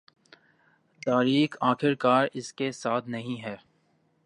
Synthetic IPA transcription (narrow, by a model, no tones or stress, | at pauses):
t̪aːɾiːkʰaːxɪɾkaːɾɪskesaːt̪ʰnɐɦĩɦɛː